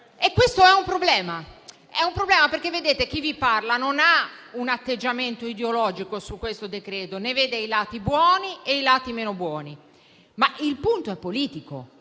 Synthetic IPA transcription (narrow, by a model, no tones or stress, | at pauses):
ekːwest̪oɛumpɾoblɛːma | ɛumpɾoblɛːmapeɾk̟evːed̪eːt̪ek̟iviparlanonaunat̪ːed͡ʒːament̪oid̪eolɔːd͡ʒikosukːwest̪od̪ekɾeːt̪oneveːd̪eilaːt̪ibwɔːnieilaːt̪imeːnobwɔːni | mailpunt̪oɛpːoliːt̪iko̰